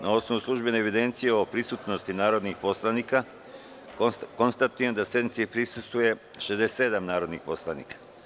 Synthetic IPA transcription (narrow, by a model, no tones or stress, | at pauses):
nao̞sno̞ʋuslˠuʒbe̞neeʋid̪e̞nt̪sijeo̞pɾisut̪no̞st̪inaːɾo̞d̪nixpo̞slˠaniːka | ko̞nst̪at̪uje̞md̪asje̞d̪nit̪siipɾisust̪ʋuje̞ʃezd̪ese̞d̪amnaːɾo̞d̪nḭxpo̞slˠanḭːkḁ